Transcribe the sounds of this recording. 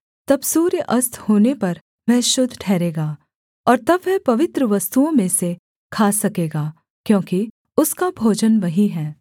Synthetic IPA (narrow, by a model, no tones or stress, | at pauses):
t̪ɐbsuːɾjəʔɐst̪ʰhoːnepɐɾ | ʋɛɦʃʊd̪ʱʈʰɛːɾeːɡaː | ɔːɾt̪ɐbʋɛpɐʋɪt̪ɾəʋɐst̪uõmẽse | kʰaːsɐkeːɡaː | kjõːki | ʊskabʱoːd͡ʒənʋɐɦiɦɛː